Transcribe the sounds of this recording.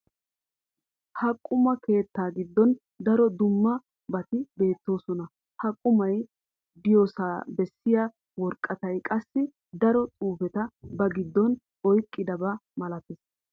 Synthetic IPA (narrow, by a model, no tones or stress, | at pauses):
hɐkʼːʊmɐke̞ːt̪ːaːɡɪd̪ːɔn | d̪ɐɾɔd̪ʊmːɐ | bɐt̪ɪbe̞ːt̪ːo̞ːsɔnɐ | hɐkʼːʊmɐj | bɪjoːsaːbɛsːɪjaː | wɔɾkʼːɐt̪ɐjkʼɐsːɪ | d̪ɐɾɔt͡sʼuːfɛt̪ɐbɐɡɪd̪ːɔn | ɔjkʼːɪd̪ɐbɐmɐlɐt̪ɪs